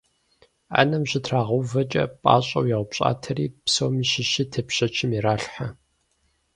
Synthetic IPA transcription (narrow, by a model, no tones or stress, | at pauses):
a̰nɐmʑɪtʰraːʁɐwvɐt͡ʃʼɐ̰pʼa̰ːɕʼɐwjɐʁʷʊpɕʼa̰ːtʰɐɾiːpsowmiɕɪʃitʰɐpɕɐt͡ʃʰɪmiɾaːɬħa